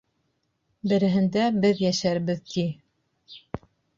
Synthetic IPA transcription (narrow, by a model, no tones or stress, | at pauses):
bɘ̆ɾɘ̆ɦɘ̆nd̪æbɘðjæʃæɾbɘðt̪ʰi